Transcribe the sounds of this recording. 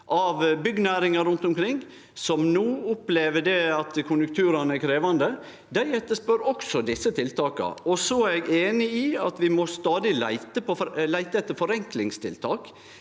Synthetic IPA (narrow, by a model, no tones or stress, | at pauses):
ʔɑʋbʏɡːnæːɾɪŋɑɾʉnt̪ʊmkʰɾɪŋː | sɔmnuːʊpleːʋəɖɛɑt̪kʰʊnjʉŋk̚t̪ʰʉːɾɑnəækʰɾeːʋɑnd̪ə | d̪æɪɛt̪ːəspœɾɔksɔd̪ɪsːət̪ʰɪlt̪ɑːkɑ̰ɔsɔæɾɛɡeːnɪiːɑt̪ʋɪmɔst̪ɑːd̪ɪlæ̰ɪt̪əpɔlæɪt̪əɛt̪ːəɾfɔɾɛŋklɪŋst̪ʰɪ̰lt̪ʰɑːk